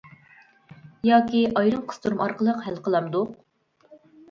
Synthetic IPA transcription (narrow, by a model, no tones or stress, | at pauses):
jɑːkʲiʔɑjɾɨmqʰə̥st̪ʰuɾmɑɾqəlˠəqhælqʰəlˠɑmd̪uq